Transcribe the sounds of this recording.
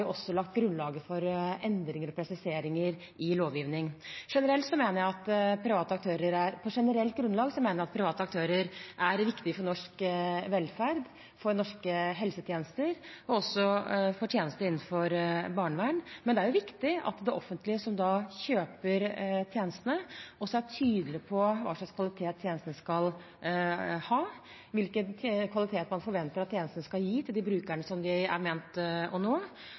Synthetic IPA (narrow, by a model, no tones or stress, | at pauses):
jʊʔɔsːɔlɑk̚t̪ɡɾʉnlɑːɡəfɔɾɛnd̪ɾɪŋəɾɔpʰɾɛsɪseːɾɪŋəɾ | ɪloːʋjiːʋnɪŋʂɛnəɾɛlt̪sɔmeːnəɾjæɪɑt̪pʰɾɪʋɑːt̪əɑk̚t̪ʰøːɾəɾæɾpʰɔʂɛnəɾɛlt̪̚ɡɾʉnlɑːɡsɔmeːnɾjæɑt̪̚pʰɾɪʋɑːt̪əɑkt̪ʰøːɾəɾʔæɾʋɪkt̪ɪfɔɳɔʂkʋɛlfæɾd̪ | fɔɾnɔʂkəɦɛlsət̪ʰjeːnəst̪əɾɔɔsːɔfɔʈʰjeːnəst̪əɾɪnn̩fɔɾbɑːɳəʋæɳmɛnd̪ɛæɾjʊʋɪkt̪ɪɑ̰t̪d̪ɛʔɔfːənt̪lɪəsɔmd̪ɑçøːpəɾt̪ʰjeːnəst̪ənəɔsːɔæʈʰyːd̪əlɪpʰɔʋɑ̰ːʂɭɑkskʋɑlɪt̪ʰeːt̪ʰːjeːnəst̪ənəskɑl | hɑː | ʋɪlkənkʰʋɑlɪt̪ʰeːt̪mɑnfɔɾʋɛnt̪əɾɑt̪ʰːjeːnəst̪nəskɑljiːt̪ʰɪld̪ɪbɾʉːkæɳəsɔmd̪ɪæ̰ɾmeːnt̪ɔnoː